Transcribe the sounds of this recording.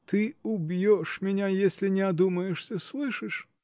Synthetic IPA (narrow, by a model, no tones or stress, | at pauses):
t̪ɨʊbʲjoʂmʲɪnʲajesʲlʲɪnʲɪɐd̪uməjɪʂsʲəslˠɨʂɨʂ